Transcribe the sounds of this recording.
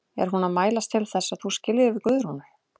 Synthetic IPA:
ɛ̰ɾ̥ɦunaðmaːjlast̪ʰɪlθɛsːaðθuscɪlɪɾvɪðkvʏːðʏɾ̥hunʏ

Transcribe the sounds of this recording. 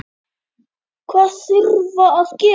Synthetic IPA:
kʰwasirvɔɔskʼi

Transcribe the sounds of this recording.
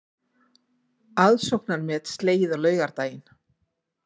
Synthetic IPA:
aðsowk̚naɾmɛːt̪st̪leːjɪðaɣlœːɥɣaɾt̪aːjɪn

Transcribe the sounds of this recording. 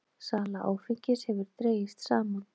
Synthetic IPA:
saːlaʔa̰ːwfɪɲcɪshɛvʏɾ̥t̪ɾeːjɪst̪saːman

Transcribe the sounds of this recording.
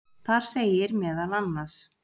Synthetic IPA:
θaɾ̥seːjɪɾmɛːðalanːas

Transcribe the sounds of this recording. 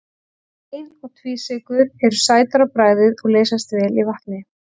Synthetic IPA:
ejnɔɣt̪ʰviːsɪkʏɾɛɾʏsaːjt̪aɾapɾaːjðɪðɔɣleːjsast̪vɛːlivaht̪nɪ

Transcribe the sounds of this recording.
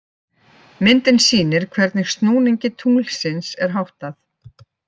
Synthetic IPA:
mɪnt̪ɪnsiːnɪɾ̥kʰvɛɾt̪nɪɣst̪nuːniɲcɪt̪ʰuːl̥sɪnsɛɾ̥ɦawht̪aθ

